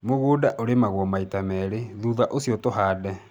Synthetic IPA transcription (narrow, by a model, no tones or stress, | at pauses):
moɣodaʔoɾemaɣwɔmaitamɛːɾeðuðaʔosiɔtoɦaːdɛ